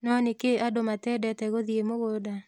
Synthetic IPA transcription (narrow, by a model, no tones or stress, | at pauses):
nɔnɪkeʔadomatɛdɛtɛɣoðiemoɡoda